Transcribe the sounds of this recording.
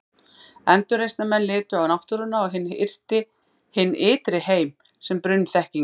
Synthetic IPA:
ɛnt̪ʏɾejst̪namɛnlɪːt̪ʏawnawht̪ʏɾʏnːaɔɣɦɪnːɪ̰r̥t̪ɪ | hɪnːɪːt̪ɾɪheːjm | sɛmpɾʏnːθɛhciŋ

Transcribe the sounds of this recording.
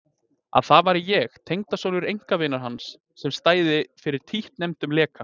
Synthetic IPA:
a̰ðθavaɾɪjɛxt̪ʰejŋt̪asoːnʏɾejŋ̥kavɪnaɾ̥ɦansː | ɛmst̪aːjðɪfɪɾɪɾ̥t̪ʰiht̪nɛmt̪ʏmlɛːka

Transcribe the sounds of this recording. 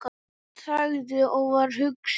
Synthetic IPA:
k | θaɣðɪɔɣvaɾ̥ɦʏks

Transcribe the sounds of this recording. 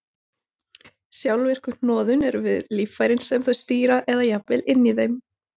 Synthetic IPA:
sjawlvɪr̥kʏ̥n̥ɔːðʏnɛɾvɪðliːfːajɾɪnsɛmθɔjst̪iːɾaʔɛðajapvɪlɪnːiðejm

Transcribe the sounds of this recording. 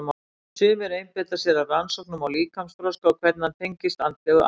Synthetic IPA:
m | sʏːmɪɾejmpɪt̪asjɛɾaransɔknʏmawliːkʰamsfɾɔskawkʰvɛɾt̪nant̪ʰejɲcɪst̪ant̪ɪɣ

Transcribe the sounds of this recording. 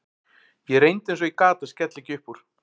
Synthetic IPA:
jɛɾejnt̪ẽjnsɔikaːt̪ascɛt̪lɪcɪʏhpuɾ̥

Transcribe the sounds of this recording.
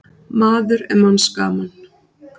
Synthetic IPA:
maːðʏɾɛ̰ɾmanska̰ːman

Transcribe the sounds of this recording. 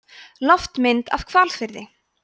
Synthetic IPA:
lɔft̪mɪnt̪a̰v̥kʰvalfɪɾðɪ

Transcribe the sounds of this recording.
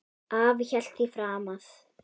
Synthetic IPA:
avçɛl̥t̪ifɾaːmaθ

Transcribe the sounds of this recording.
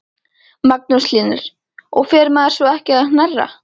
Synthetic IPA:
mak̚nusliːnɪɾ̥ | ɔɣfɛːɾmaːðɪɾ̥svɔɛhcɪaðnarːa̰

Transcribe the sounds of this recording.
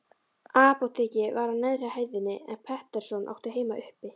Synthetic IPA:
aːpɔt̪ʰecɪvaɾanɛðr̥ɪahajvðɪnːɪɛ̰npʰɛht̪ɛɾ̥sɔnʔa̰wht̪ɪɦeːjmaʔʏhpɪ

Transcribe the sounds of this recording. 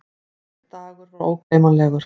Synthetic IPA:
t̪aːɣʏɾvɔɾoːwkejmalɛːɣʏɾ̥

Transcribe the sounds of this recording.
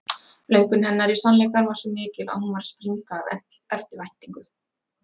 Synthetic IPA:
lœːɥkʏnhɦɛnːaɾisanlɛjkaɾvaɾ̥sɔmɪːcɪla̰ðhunvaɾ̥spɾiŋkaːvɛ̰n̥t̪ɛft̪ɪɾvajht̪iŋkʏ

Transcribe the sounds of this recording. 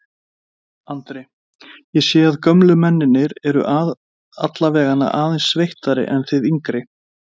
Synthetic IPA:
ant̪ɾɪ | jɛsjɛːaðkœmlʏmɛnːɪnːɪɾɛɾʏ̰ʔað | a̰t̪lavɛːɣanːa̰ʔaːðɛnsːvejht̪aɾɪ̰ʔɛnθɪðiŋkɾɪ

